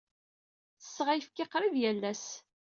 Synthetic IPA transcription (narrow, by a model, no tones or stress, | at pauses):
θə̥sːʁæjəfkɪqɾˤiðjælːæs